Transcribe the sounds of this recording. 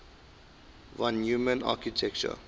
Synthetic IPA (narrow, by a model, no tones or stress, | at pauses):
vãnjumə̃na̰kitʰɛk̚t͡ʃə̰